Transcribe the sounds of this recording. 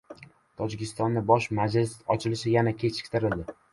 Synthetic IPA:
t̪ʰɒd͡ʒɪkʲʰɪst̪ɒnːɪbɒʃmad͡ʒlɪsɒt͡ʃʰɪlɪʃɪjanakʲʰe̞t͡ʃʰɪ̥k̚ʲt̪ʰɪɾɪld̪ɪ

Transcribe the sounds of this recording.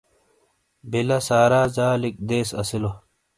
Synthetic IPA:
bilɐsaːɾaːzaːlik̚d̪eːsɐ̰silo

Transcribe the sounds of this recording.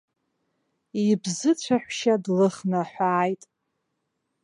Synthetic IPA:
ibzɨt͡ɕʷʰaħʷʃadlɨχnaħʷaːjtʼ

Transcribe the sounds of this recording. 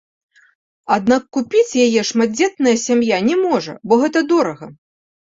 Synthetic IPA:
ad̪nakːupʲit͡sʲjajɛʂmad͡zʲɛt̪nɐjɐsʲamjanʲɛmɔʐɐ̰bɔɣɛt̪ɐd̪ɔɾɐɣɐ

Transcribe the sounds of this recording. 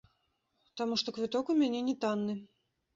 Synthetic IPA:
t̪amuʂt̪ɔkvɨt̪ɔkumʲanʲɛnʲɛt̪anːɨ

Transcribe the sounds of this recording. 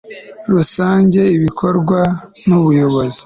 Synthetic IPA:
ɾusaːɲɟe̞iβikʰo̞ɾɡwanuβujo̞βo̞zi̥

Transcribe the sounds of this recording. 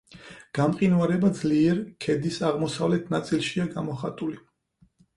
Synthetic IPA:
ɡ̥amqʼinvaɾɛbad̪zliɛɾkʰɛd̪isaʁmɔsavlɛt̪ʰnat̪sʼilˠʃiaɡamɔχat̪ʼuli

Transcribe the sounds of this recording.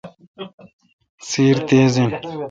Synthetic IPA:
siːɾt̪eːzĩn

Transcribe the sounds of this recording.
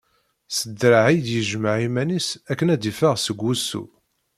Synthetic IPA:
səd̪ɾaʕijd̪jəʒməʕimænisækːənæd̪ifəʁsəɡʷːusːṵ

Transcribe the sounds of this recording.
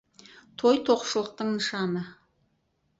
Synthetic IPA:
t̪ʰo̞jt̪ʰo̞qʃəlˠəq̚t̪əɴnəʃɑnə

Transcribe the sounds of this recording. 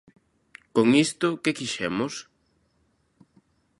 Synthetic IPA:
koŋist̪ʊkekiʃɛmʊs

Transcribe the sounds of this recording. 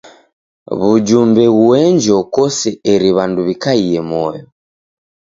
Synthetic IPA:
βud͡ʒumbɛɣuɛɲd͡ʒɔkɔsɛɛɾiβanduβikaijɛmɔjɔ

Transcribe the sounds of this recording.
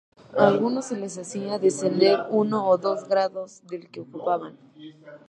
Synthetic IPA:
alɣuno̞sːele̞s̬asiaðe̞se̞nd̪e̞ɾuno̞ːðo̞zɡɾaðo̞zðe̞lkeokupaβan

